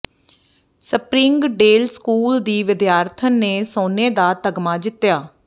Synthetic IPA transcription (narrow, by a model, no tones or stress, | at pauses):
səpɾĩːŋɡɖeːlskuːld̪iːʋɪd̪jaːɾt̪ʰənːeːsoːneːd̪aːt̪əɡmaːd͡ʒɪt̪ːjaː